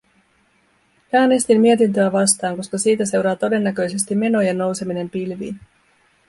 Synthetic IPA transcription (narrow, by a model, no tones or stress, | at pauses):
æːne̞st̪imːie̞t̪int̪øæʋɑst̪ɑːŋko̞skɑsiːt̪æse̞wɾɑːt̪o̞de̞nːækø̞jse̞st̪imːe̞no̞jenːo̞wse̞mine̞mpilʋḭːn